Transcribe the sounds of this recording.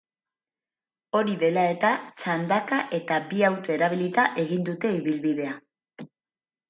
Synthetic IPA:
o̞ɾiðe̞lae̞t̪at͡ʃand̪akaʔe̞t̪abiawt̪oe̞ɾaβilit̪aʔe̞ɣind̪ut̪e̞iβilβiðe̞a

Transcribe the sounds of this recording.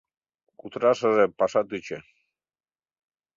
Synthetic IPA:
kut̪ɾaʃəʒepaʃat̪yt͡ɕe

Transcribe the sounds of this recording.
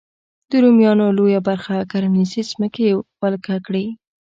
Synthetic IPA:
d̪̥əɾumjɑnolojabaɾxakaɾmɪnisizməkewalkakɽi

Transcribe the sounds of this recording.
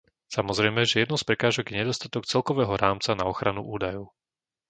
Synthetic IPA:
samɔzɾɛjmɛʒɛjɛd̪nɔspɾɛkaːʒɔɡjɛɲɛd̪ɔst̪at̪ɔkt͡sɛlkɔʋɛːɦɔɾaːmt͡sanaɔxɾanṵʔuːd̪ajɔʊ

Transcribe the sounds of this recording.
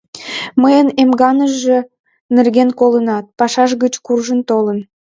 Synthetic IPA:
məjənemɡɑnəʒe | nerɣenkolənɑt̪̚pɑʃɑʃɣət͡ɕkurʒənt̪olən

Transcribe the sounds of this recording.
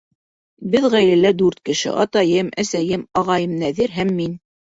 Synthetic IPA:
bɘðʁæjlælæd̪ʉɾt̪̚kɘ̆ʃɘ̰ʔɑt̪ɑjɤmæsæjɘmɑʁɑjɤmnæðiɾɦæmːin

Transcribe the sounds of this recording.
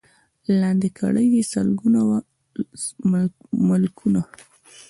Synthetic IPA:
lɑnd̪ikʰa̰ɽəjesəlɡunawa | mʊlkʰuna

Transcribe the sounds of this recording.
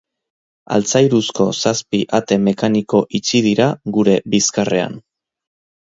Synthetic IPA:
a̰lt͡sajɾusko̞saspiʔat̪e̞me̞kaniko̞ʔit͡sið̞iɾaɡuɾe̞biskare̞a̰n

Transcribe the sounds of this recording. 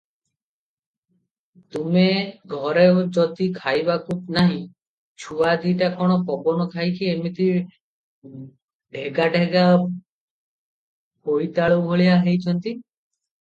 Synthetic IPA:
t̪umeɡʱɔɾeod͡ʒɔt̪ikʰajbakup̚naɦĩ | t͡ʃʰuad̪iʈakɔɽ̃ɔkɔbɔnɔkʰajkʰiemit̪i | ɖʱeɡaɖʱeɡa | poit̪aɭowɦoɭijaɦejt͡ʃʰɔnt̪i

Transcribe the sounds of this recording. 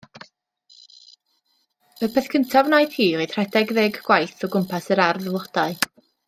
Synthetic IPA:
əpʰɛθkʰəntʰavnaɨd̥hiːid̥r̥ɛdɛɡðeːɡɡwajθɔɡʊmpʰasəɾarðəvlˠɔd̥aɨ

